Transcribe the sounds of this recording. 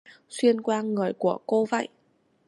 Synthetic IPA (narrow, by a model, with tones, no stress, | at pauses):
swi˧ənkwaː˧ŋɨ˨˩əjku˧˩əko˧və̰˧˨jʔ